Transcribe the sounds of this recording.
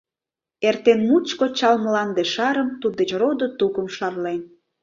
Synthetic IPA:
ert̪enmut͡ɕkot͡ɕɑlməlɑnd̪eʃɑɾəmt̪ud̪ət͡ɕrod̪ot̪ukəmʃɑrlen

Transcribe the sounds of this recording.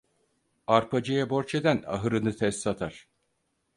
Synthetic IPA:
aɾpʰad͡ʒɯjabo̞ɾt͡ʃʰed̪æna̰ɦɯɾɯnɯt̪ʰɛst̪sat̪ʰaɾ̥

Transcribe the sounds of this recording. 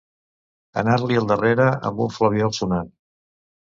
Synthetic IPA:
ə̰naɾliəlˠd̪əreɾəə̰mbuɱfləβ̞iɔlˠsunan

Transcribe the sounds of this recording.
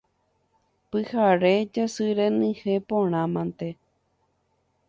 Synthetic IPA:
pɨhaɾed͡ʒasɨɾẽnɨ̃hepõɾ̃ãmãnt̪e

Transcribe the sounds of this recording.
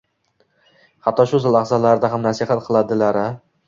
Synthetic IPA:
hat̪ʰːɒʃʊzɪlaχzalaɾɪd̪aɦamnasɪhat̪̚qʰɨlˠad̪ɪlaɾɪ

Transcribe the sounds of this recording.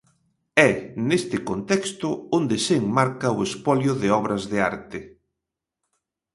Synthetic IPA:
ɛnest̪ɪkont̪ɛkst̪ʊond̪ɪseŋmaɾkɐʊespɔljʊðɪɔβ̞ɾɐzðɪaɾt̪ɪ

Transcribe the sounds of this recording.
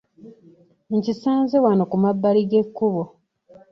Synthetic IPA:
ncisaːnzewanokumabːaliɡekːuβo

